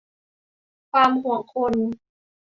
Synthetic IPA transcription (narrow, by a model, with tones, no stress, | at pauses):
kʰwaː˧mɦu˩˦ɐkʰo˧n